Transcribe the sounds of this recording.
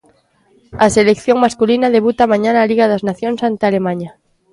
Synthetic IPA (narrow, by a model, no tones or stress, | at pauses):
aselekθjoŋmaskulinað̞e̞βut̪amaɲanaːliɣaðaznaθjonsant̪ealemãɲa